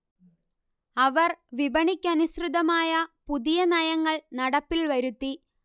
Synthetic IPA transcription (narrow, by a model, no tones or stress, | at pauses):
ɐʋɐrʋibɐɳikʲːɐnusrɨðɐmaːjɐpuðijɐnɐjɐŋːɐɭnɐɽɐpːilʋɐɾut̪ːi